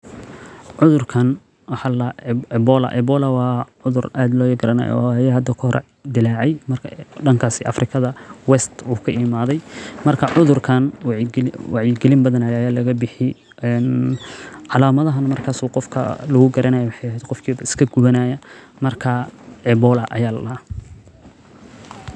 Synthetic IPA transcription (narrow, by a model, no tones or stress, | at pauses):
ʕʊðʊrkʰɐn | wɑħɑlɐɛbɔlɐ̰ʔɛbɔːlɐwɑːʕʊðʊraːd̪lɔːjɛɡɾɐna̰jɔ̰jɛhɐd̪ːɐkʰɔhɾʔ | d̪ɪlaːʕɛjmɐrkʰɖɐŋkʰaːsɪʔɑfrɪkʰɐðɐwɛst̪uːkʰɐɪmaːðɛjmɐrkʰɐʕʊðʊrkʰɐnwwɑʕjɪɡɛlɪmbɐðɐnɐjːjaːlɐɣɐbɪħɪ | ɛn | ʕɑlaːmɐðɐɦɐnmɐrkʰaːsuːqɔfkʰɐ̰lɐɣʊɡɐɾɐnajɐwɑħɑjɐɦɛjd̪qɔfkʰiːbɐɪ̥skʰɐɡʊβɐnaːjɐmɐrkʰɐɛbɔːlɐʔɐjaːlɐː